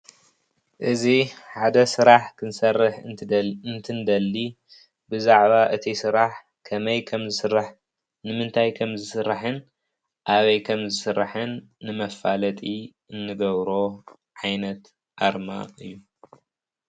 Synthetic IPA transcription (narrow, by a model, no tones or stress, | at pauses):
ʔɨziħad̪ɐsɨɾaħkʰɨnsɐrːɨħɨnt̪ʰɨnd̪ɐlːi | bɨzaʕβaʔɨt̪ʰisɨɾaħ | kʰɐmɐjkʰɐmzɨsɨɾːaħ | nɨmɨnt̪ʰajkʰɐmzɨsɨɾːaħɨn | ʔaβɐjkʰɐmzɨsɨɾːaħɨnːɨmɐfalɐt̪ʼi | ɨnːɨɡɐβɾo̞ | ʕajnɐt̪ | ʔaɾma̰ɨjːu